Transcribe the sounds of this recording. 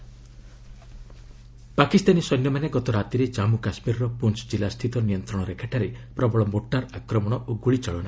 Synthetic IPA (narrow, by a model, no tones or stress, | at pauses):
pakist̪anisɔnjɔmaneɡɔt̪ɔɾat̪iɾed͡ʒamukasmiɾɔɾɔpunt͡ʃd͡ʒilast̪ʰit̪ɔnijɔnt̪ɾɔɽ̃ɔɾekʰeʈʰaɾepɾɔbɔɭɔmoʈːaɾakɾɔmɔɽ̃ɔʔoɡuɭit͡ʃɔɭɔɽ̃a